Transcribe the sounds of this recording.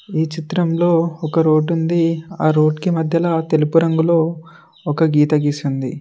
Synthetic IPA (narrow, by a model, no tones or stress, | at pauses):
iːt͡ʃit̪ɾɐmlo̞ːɔkɐɾo̞ːɖund̪iaːɾo̞ːɖkimɐd̪ʱjɐlaːt̪e̞lupuɾɐŋɡulo̞ː | ɔkɐɡiːt̪ɐɡisund̪ḭ